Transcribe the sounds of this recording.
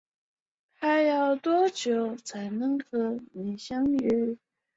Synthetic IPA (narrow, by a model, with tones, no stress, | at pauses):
t̪ʰa˥jɑ˥˩ʊt̪wɔ˥t͡ɕjo˨˥ʊt͡sʰa˨˥ɪnɤ˧˥ŋxɤ˧˥ni˨˩ɕjɑ˥ŋy˧˥˩